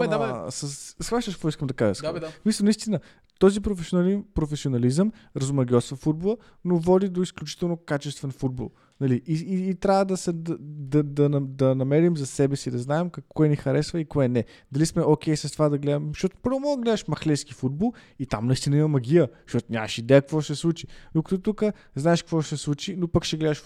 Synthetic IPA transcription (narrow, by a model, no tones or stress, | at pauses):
səssxvaʃt̪əʃkɔiskəmd̪ɐkaʒəssmisəlˠnɐist̪inə | t̪ɔzipɾofɛsionlipɾofɛsʲionɐlizəmɾɐzumɐɡʲiɔt̪svɐfud̪̚bolˠə | novɔd̪id̪oisklʲut͡ʃi̥t̪ɛlˠnokat͡ʃɛst̪vɛnfud̪̚bo̰lˠ | nɐliiiːt̪ɾʲavəd̪ɐsɛd̪ɐd̪ɐd̪ɐnɐd̪ɐnɐmɛɾimzɐsɛbɛsid̪ɐznaɛmkɐkːɔɛnixɐɾɛsvəikoɛnɛ | d̪ɐlismɛʔok̟ʲɛjsɐst̪ovad̪ɐɡlɛd̪əmʃt̪ɔt̪o̥pɤɾvomɔlˠɡlɛd̪əʃmɐxlɛskifud̪̚bolˠ | it̪amnɐist̪inəimɐmɐɡʲijəʃt̪ɔt̪ʊnʲa̰mɐʃid̪ɛjəkvɔʃɛslˠut͡ʃi̥d̪ʊkə̥t̪ut̪ukə | znaɛʃkkvɔʃt̪ɛslˠut͡ʃinopəkʃɛɡlɛd̪əʃ